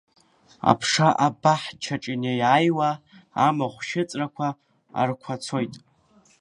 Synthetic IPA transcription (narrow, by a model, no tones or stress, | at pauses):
a̰pʰʂaʔabaħt͡ʃʰaʈ͡ʂʼɪnejajwa | amaχʷʃɪt͡sʼrakʷʰa | a̰rkʷʰat͡sʰojtʼ